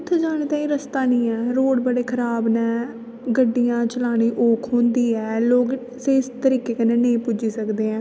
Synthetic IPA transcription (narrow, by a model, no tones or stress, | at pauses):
ʊt̪ʰːd͡ʒaːɽ̃eːt̪ãːĩːɾəst̪aːnĩːɛːɾoːɽbəɽeːkʰəɾaːbnɛ̃ː | ɡəɖːijãːt͡ʃəlaːɽ̃iːʔoːkʰɦõːnd̪iːɛːloːɡ | seɪst̪əɾiːkeːkənẽːneĩpʊd͡ʒiːsəkd̪eːɛ̃ː